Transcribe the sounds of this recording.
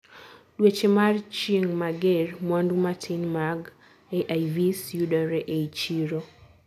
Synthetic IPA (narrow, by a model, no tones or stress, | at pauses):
ɗwet͡ʃemart͡ʃeŋmaɡɛrmwandumatʰinmaɡ | eʔajvisjudɔɾɛʔeit͡ʃiɾo